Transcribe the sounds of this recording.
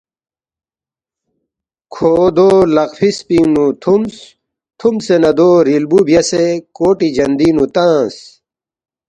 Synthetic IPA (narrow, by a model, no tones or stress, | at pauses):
kʰoːd̪oːlɐqfispinut̪ʰums | t̪ʰumsenɐd̪oːɾilbubjɐsekoːʈid͡ʑɐnd̪iːnut̪ãːs